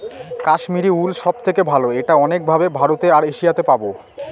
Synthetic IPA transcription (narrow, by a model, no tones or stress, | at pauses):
kaʃmiɾiulʃɔbt̪ʰekebʱaloeʈaɔnek̚bʱabebʱaɾot̪eaɾeʃijat̪epabo